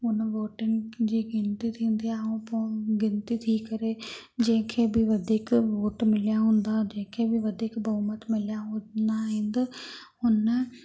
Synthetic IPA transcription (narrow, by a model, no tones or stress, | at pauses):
ʊnʋoːʈɪnɪd͡ʑiːɡɪnt̪it̪ʰĩːnd̪iaũpõɡɪnt̪it̪ʰikɐɾe | d͡ʑɐ̃ɦɪ̃kʰeːbɪʋɐd̪ʱiːkʋoːʈmɪlijaɦũːnd̪ad͡ʑɐ̃ɦɪ̃kʰeːbɪʋɐd̪ʱiːkbɐumət̪mɪlijaɦũd̪aɦɪ̃nd̪ɪ | ʊnə